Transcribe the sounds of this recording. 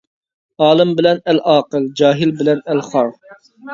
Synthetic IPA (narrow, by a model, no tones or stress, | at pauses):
ɑːlˠɨmbɪlɛnɛlʔɑːqəld͡ʒɑːɦɪlbɪlɛnɛlχɑɾ